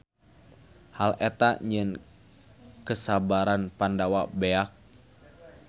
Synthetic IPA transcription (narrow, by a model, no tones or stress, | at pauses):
halɛt̪aɲən | kəsabaɾanpandawabeak̚